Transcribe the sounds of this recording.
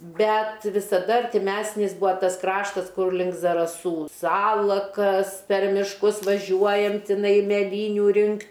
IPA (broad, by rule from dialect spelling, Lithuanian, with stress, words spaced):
ˈbʲɛt ʋʲɪsɐˈdɐ ɐrʲtʲɪˈmʲæsʲnʲɪs ˈbʊɐ ˈtɐs ˈkrɑːʃtɐs ˈkʊr lʲɪŋk zɐrɐˈsuː ˈsɑːlˠɐkɐs pʲɛr mʲɪʃˈkʊs ʋɐˈʒʲuɔjɛm tʲɪˈnɐɪ mʲɛˈlʲiːnʲʊ ˈrʲɪŋktʲ